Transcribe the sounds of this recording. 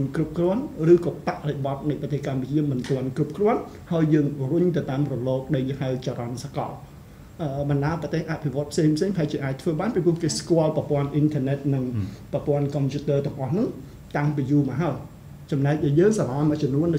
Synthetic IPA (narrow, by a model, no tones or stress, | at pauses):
nkrup̚krɔ̆ənrɨːkɑːpaʔriɓɑt̪̚nɨjprɑt̪eːhkamput͡ɕiəmɨnt̪ɔənkrup̚krŏən | haəjːəːŋruɲt̪ɨwt̪aːmrɔlɔːk̚ɗəjhawt͡ɕaːɾɑnsakɑ̰l | ʔəːɓɑnɗaːəprɑt̪eːhʔapʰiʋŏət̪̚pʰseːŋpʰseːŋpaɦaɛt͡ɕiəʔaːc̚t̪ʰʋəːɓaːnpipʊ̆əhkeːskŏəlprɑpŏənʔint̪ʰəːnɛt̪̚nɨŋprɑpŏənkɑmpʰjuːt̪əːt̪əŋʔɑhnɨŋ | t̪aŋpiːjuːmaɦaəj | t͡ɕɑmnaɛc̚ɗajəːŋsalɑmət͡ɕɔnuənːɗɨ